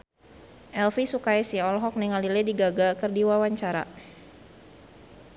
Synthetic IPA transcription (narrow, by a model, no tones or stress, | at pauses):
ʔɛlfisukajsiɔlɦɔk̚nɛŋalilɛdiɡaɡakərdiwawaɲt͡ʃaɾa̰